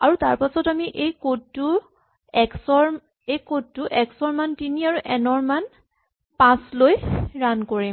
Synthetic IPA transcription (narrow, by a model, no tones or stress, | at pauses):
aɹutaɹpasɔtamiʔejkou | ɛksɔɹ | ejkotːuʔɛksɔɹmantiniaɹuʔɛnɔɹman | pãslojɹankoɹim